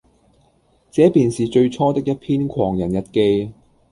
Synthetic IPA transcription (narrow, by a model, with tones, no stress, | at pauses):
t͡sɛː˨˥piː˨nsiː˨t͡ʃɵ˧ɥt͡sʰɔː˥t̪ɪ˥k̚jɐ˥t̚pʰiː˥nkʷʰɔː˨˩ŋjɐ˨˩njɐ˨t̚ke˧j